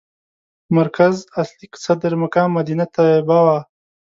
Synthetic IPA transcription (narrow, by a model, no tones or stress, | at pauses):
maɾkazasliksad̪ɾmakaːmːad̪inat̪awebawaː